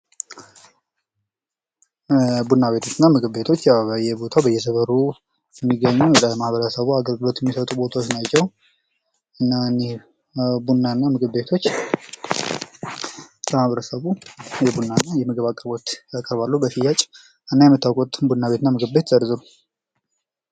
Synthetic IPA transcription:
bunːaβe̞t̪ʰo̞t͡ʃːɨnːamɨɡɨbe̞t̪ʰo̞t͡ʃːjawbəjɛbo̞t̪ʰawbəjɛsəβəɾu | jɛmːiɡəɲːud̪əmahβəɾəsəβuaɡəlɡɨlo̞t̪jɛmːisət̪ʼubo̞t̪ʰawot͡ʃnat͡ʃːɛw | ɨnːanɛ | bunːanːamɨɡɨbe̞t̪ʰo̞t͡ʃː | ləmahβəɾəsəβujɛbunːanːajɛməɡəβakʼəɾbo̞t̪jakʼəɾbalːubəsijat͡ʃʼ | ɨnːajɛmːɨt̪ːawkʼut̪bunːaβe̞t̪ɨnːamɨɡɨbe̞t̪zəɾzɨɾu

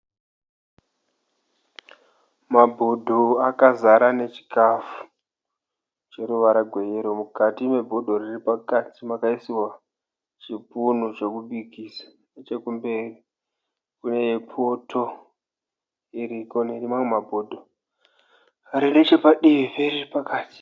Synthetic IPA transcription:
mabʱodʱoakazaɾane̞t͡ʃi̥kafu̥ | t͡ʃe̞ɾuʋaɾaɡʱwe̞jeɾomukatime̞bʱodʱo̞riripakatimakaisiwa | t͡ʃipunut͡ʃe̞kuɓikisḁ | et͡ʃe̞kumbe̞ri | kune̞jepʰotʰo | iɾikoneɾimaŋemabʱodʱo | ɾinet͡ʃe̞paɗiʋipeɾiripakaːti̥

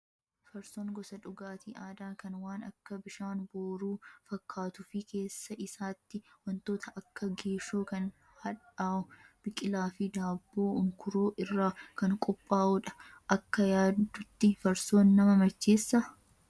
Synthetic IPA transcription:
fɐɾsoːŋɡɔsɐᶑʊɡaːt̪iʔaːd̪aːkɐnwaːnɐkːɐbɪʃaːnboːɾuːfɐkːaːt̪ʊfɪkʰe̞ːsːɐʔɪsaːt̪ːɪwɐnt̪o̞ːt̪ʰɐʔɐkːɐɡe̞ːʃoːkɐn | hɐᶑaːʊb̥ɪkʼɪlaːfɪd̪aːbːoːʊŋkʊɾoːʔɪrːaːkɐŋkʼɔpʼːaːʔʊᶑɐ̥ | ʔɐkːɐjaːdd̪ːʊt̪ːɪfɐɾso̞ːnːɐmɐmɐt͡ʃːeːsːɐ

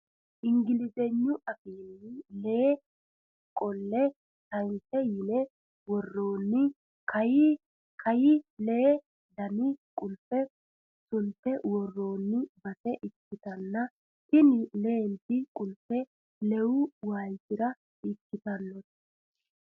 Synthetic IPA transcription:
ʔɪŋɡɪlɪsɛɲːʊʔɐkiːnːɪleː | kʼɔlːɛ | t̪ɐjntɛjɪnɛ | wɔrːoːnːɪ | kʰɐjɪ | kʰɐjɪle̞ː | d̪ɐnɪkʼʊlpːɛ | sʊnt̪ːɛwɔrːo̞ːnːɪbɐsɛʔɪkːɪt̪ɐnːɐ | tɪnɪleːnt̪ɪkʼʊlpːɛ | lɛwʊwaːjsɪɾɐ | ɪkːɪt̪ɐnːɔt̪

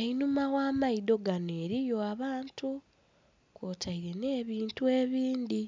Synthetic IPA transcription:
einumaɣaːmaido̞ɡanoe̞ɾijo̞aβaːntu | kotʰaiɾe̞ne̞ːβiːntue̞ːβiːndi

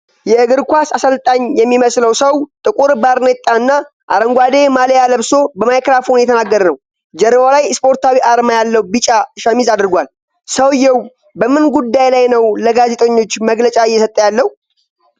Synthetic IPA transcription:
jɛɨɡɨɾkʷasasəlt̪ʼaɲjɛmːiməsləwsəwt̪ʼɨkʼuɾbaɾnət̪ʼːaɨnːa | ʔa̰ɾəŋɡʷad̪e̞malejaləβso̞bəmajkɾafonjɛt̪ʰənaɡːəɾənəw | d͡ʒɛɾəwalajspʰo̞ɾt̪ʰawiʔaɾmajalːəwbit͡ʃʼaɨʃamizad̪ɾɨɡʷal | səwjːɛw | bəmɨnɡud̪ːajlajnəwləɡaze̞t̪ʼəɲːo̞t͡ʃːməɡlət͡ʃʼaɪjːɛsət̪ʼːəjalːəh

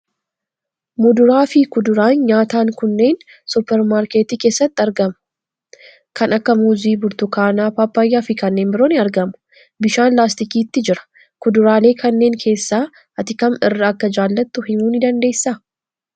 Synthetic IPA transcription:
mʊd̪ʊɾaːfɪkʊd̪ʊɾaːnɲaːt̪aːŋkʊnːe̞ːn | sʊpːɛɾmaːɾkeːt̪iːkeːsːɐt̪ːɪɐɾɡɐmʊ̥ | kɐnɐkːɐmuːziːbʊɾt̪ʊkaːnaːpaːpːɐjːaːfɪkɐnːe̞ːnbɪɾoːnɪɐɾɡɐmʊ̥ | bɪʃaːnlaːst̪ɪkiːt̪ːɪd͡ʒɪɾɐ̥ | kʊd̪ʊɾaːle̞ːkʰɐnːe̞ːŋkʰe̞ːsːaː | ʔɐt̪ɪkɐmɪrːɐːkːɐd͡ʒaːlːɐt̪ːʊhɪmuːnɪd̪ɐnd̪e̞ːsːa

